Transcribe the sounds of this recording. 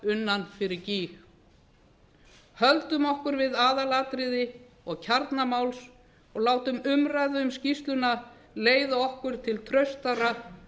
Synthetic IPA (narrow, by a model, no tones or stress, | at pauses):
ʏnːanfɪɾɪɾciːx | hœlt̪ʏmɔhkʏɾvɪðaːðalaːt̪ɾɪðɪ | ɔɣcʰaɾt̪namawls | ɔɣlaːwt̪ʏmʏmrajðʏʏmscist̪lʏna | leːjðaɔhkʏɾ̥t̪ʰɪlt̪ʰɾœɥst̪ara